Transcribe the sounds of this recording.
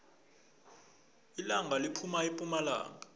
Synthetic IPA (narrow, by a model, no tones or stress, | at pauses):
ilaŋʱalipʰumaipʼumala̰ːŋa